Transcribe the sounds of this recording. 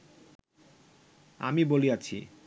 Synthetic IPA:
a̰miboliat͡ɕʰḭ

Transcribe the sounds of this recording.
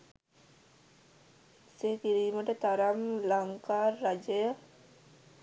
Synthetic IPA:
seːkiɾiːməʈət̪aɾamlaŋkaːrːad͡ʒəjə

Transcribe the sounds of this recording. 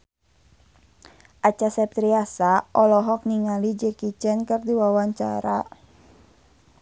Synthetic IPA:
ʔat͡ʃasɛp̚t̪ɾiasaʔɔlɔɦɔk̚niŋalid͡ʒəkit͡ʃɛnkərdiwawaɲt͡ʃa̰ɾa

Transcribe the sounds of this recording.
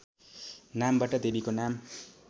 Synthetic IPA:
nambaʈʌd̪ebikonam

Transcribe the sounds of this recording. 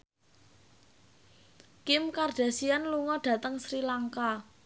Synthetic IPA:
kɪmkard̥a̤sianluŋɔɖ̥a̤t̪əŋsɾilaŋka

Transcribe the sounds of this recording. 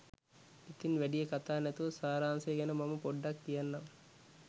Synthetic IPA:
it̪inʋeɖijɐkɐt̪aːnɐt̪oːsaːɾaːnseːɡɐnɐmɐmupɔɖːɐk̚t̪ijɐnːɐm

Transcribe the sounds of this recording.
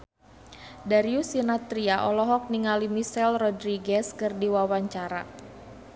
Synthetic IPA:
daɾiusinat̪ɾiaʔɔlɔɦɔk̚niŋalimisɛlrɔdɾiɡɛskɨrdiwawaɲt͡ʃaɾa̰

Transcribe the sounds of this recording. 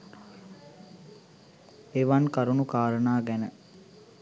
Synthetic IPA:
eʋankaɾunukaːɾənaːɡænə

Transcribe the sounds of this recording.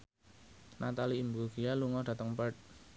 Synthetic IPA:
nat̪aliːmbuɡijaluŋɔhd̥ä̤t̪əŋpət̪̚

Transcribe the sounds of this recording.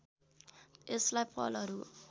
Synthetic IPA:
eslajpʌ̰lʌɾu

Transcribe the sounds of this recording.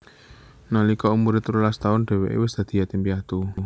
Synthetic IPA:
nalikɔumuɾɪt̪ɾulast̪aʊnɖ̥ɛ̤wḛʔḛwɪsd̪̥a̤d̪̥i̤jat̪impiat̪u

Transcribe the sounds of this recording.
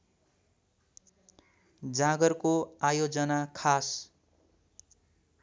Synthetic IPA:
d͡zaɡʌrkoajod͡zʌnakʰas

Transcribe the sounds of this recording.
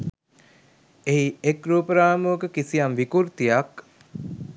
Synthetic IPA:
eiekɾuːpəɾaːmuːkəkisijɐnʋikuɾt̪ijak

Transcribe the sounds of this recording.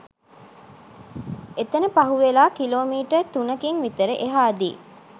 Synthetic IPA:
et̪enəpɐɦuʋelaːkiloːmiːʈəɾt̪unɐkiŋʋit̪əɾəʔeɦaːd̪ḭː

